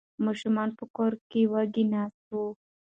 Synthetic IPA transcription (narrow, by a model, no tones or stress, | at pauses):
muʃumaːnpukɔɾkiwaɡinasu